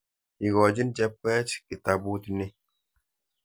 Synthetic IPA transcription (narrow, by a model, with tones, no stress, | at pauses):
i˨ɡɔ˨d͡ʒi˦nd͡ʒɛ˦p̚kɛː˦t͡ʃki˨ta˨bu˦t̪i˦ni˦